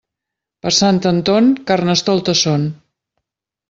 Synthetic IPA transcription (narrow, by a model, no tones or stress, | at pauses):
pəɾsant̪ənt̪oŋkarnəst̪ɔlˠt̪əson